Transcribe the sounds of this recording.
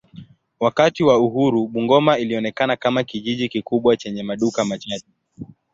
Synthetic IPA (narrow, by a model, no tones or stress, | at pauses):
wakatiwauɦuɾuɓuŋɡɔmailiɔnɛkanakamakiʄiʄikikuɓwat͡ʃɛɲɛmaɗukamat͡ʃati̥